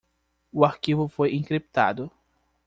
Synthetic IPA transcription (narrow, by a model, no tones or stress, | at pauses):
ʊaɾkivʊfojĩŋkɾipt̪a̰d̪ʊ